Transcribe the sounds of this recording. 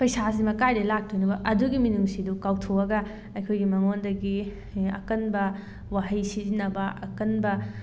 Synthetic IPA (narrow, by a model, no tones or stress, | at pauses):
pɐjsas̬imɐkajdɐlak̚tonɐbɐʔɐduɡiminuŋsidukawtʰowɐɡɐ | ɐjkʰojɡimɐŋondɐɡi | ɐ̰kɐnbɐ | waɦɐjsizinɐbɐɐkɐnbɐ